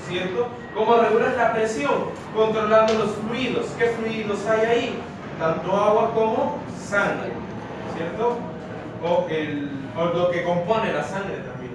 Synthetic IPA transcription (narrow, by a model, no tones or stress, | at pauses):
sjeɾt̪o | ko̞moreɣulanlapɾesjo̞ŋ | ko̞nt̪ɾo̞land̪olo̞sfɾwiðo̞skefɾuiðo̞sajai | t̪ant̪o̞aɣwakomo̞ | saŋɡɾḛ | sjeɾt̪o | oʔel | oloke̞ko̞mpo̞nelasaŋɡɾe̞t̪ambjen